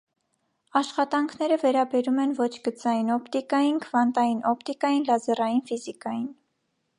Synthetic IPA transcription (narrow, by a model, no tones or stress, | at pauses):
ɑʃχɑt̪ɑŋkʰnɛɾəvɛɾɑbɛɾumɛnvɔt͡ʃʰɡət͡sɑjinɔpt̪ikɑjinkʰvɑnt̪ɑjinʔɔpt̪ikɑjinlɑzɛrɑjinfizikɑjin